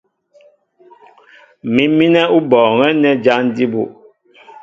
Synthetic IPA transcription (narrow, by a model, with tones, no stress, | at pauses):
mi˦mi˦nɛ˦u˦bɔː˨ŋɛ˦nɛ˦d͡ʒa˦n˦di˦bṵ˦˨